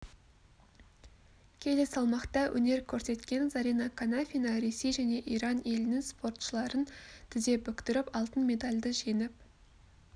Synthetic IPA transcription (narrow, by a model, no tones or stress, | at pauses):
kʲʰe̞le̞sɑlˠmɑqt̪ɑwʔɵ̰ne̞ɾkʲʰɵɾse̞t̪kʲe̞nzaɾinɑkʰanafʲinɑɾe̞sejʒæne̞ʔijɾɑne̞lɪnɪŋspo̞rt̪ʃəlˠɑɾənt̪ʰɪze̞pʏkʲt̪ɪɾɪpɑlˠt̪ənme̞d̪alʲd̪əʒe̞nɪp̚